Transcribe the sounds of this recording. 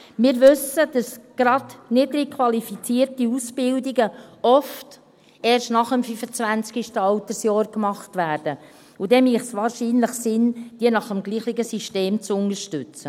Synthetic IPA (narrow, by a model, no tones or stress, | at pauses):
mɪːɾʋʏsəd̥ɑsɡ̥ɾɑdnɪdɾikʰʋɑlifit͡siːəɾtiusb̥ɪldiɡəɔft | ɛːrʃtnɑχəmfyfət͡svænt͡skiʃtəɑwt̪əɾsjɑːɾkmɑχtʋæːɾd̥ə | ud̥ɛmiːχsʋɑːɾʃiːnləχsɪnd̥iənɑχəmɡliːχɪɡəsiʃteːmt͡sʊnəɾʃtʉt͡sə